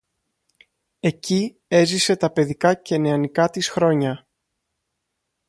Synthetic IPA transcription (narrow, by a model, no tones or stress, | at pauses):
e̞ci | e̞zise̞t̪ɐpe̞ðikɐce̞neɐnikɐt̪isxɾo̞ɲɐ